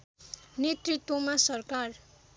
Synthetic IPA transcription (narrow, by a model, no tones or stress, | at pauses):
net̪rit̪womasʌrkar